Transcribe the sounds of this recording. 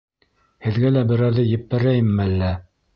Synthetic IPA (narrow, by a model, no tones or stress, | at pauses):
hɘ̆ðɡælæbɘ̆ɾæɾðɘjɘ̆pːæɾæjɘmːɘælːæ